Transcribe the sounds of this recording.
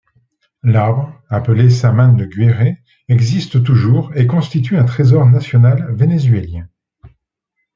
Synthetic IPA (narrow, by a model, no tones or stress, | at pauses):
laʁbʁapəlesamand̪əɡɥeʁe | ɛɡzist̪t̪uʒuʁekɔ̃st̪it̪yɛ̃t̪χezɔʁnasjɔnalvenezɥeljɛ̃